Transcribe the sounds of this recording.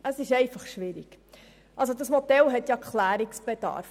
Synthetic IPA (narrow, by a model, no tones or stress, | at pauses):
əsɪʃɛɪfɑχʃʋɪɾiɡ̥ | ʔɑlsodɑsmɔdɛlɦɛt̪jɑkχlæːɾɪksb̥ed̥ɑ̰ɾf